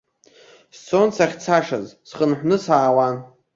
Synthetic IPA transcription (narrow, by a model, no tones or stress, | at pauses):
st͡sʰonsaχʲt͡sʰaʂazsχənħʷnɨsaːwa